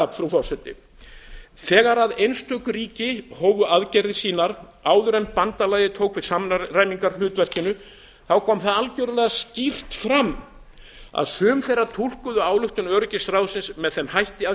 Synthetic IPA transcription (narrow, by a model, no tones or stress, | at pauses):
apfɾufɔsɛt̪ɪ̰ | θɛːɣaɾaðejnst̪ʰœkʏɾiːcɪhoːwvʏaðcɛjɾðɪsiːnaɾ | aːwðʏɾɛmpant̪alaːjɪt̪ʰoːwkvɪðsaːmnrajmiŋkaɾlʏːt̪vɛr̥cɪnːʏ | θawkʰɔːmθaðalcœɾʏðlaascir̥t̪fɾamː | a̰ðsœːmθejɾat̪ʰul̥kʏðʏaːwlʏht̪ʏnœːɾʏcɪst̪ɾaːwsɪnsmɛðθɛmhajht̪ɪa